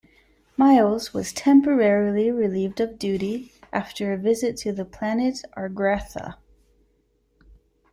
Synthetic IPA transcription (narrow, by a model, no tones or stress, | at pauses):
maɪzwʌz̥tʰɛ̃mpə˞ɛɹl̩ˠiɹɨlivdʌvdʉɾiʔæftə˞ɨvɪzɨtʰɨðɨpʰl̥ænɨɾʔɑɹɡɹæθə̰